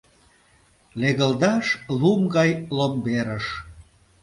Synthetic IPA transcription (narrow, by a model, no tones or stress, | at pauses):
leɣəld̪ɑʃlumɡɑjlombeɾəʃ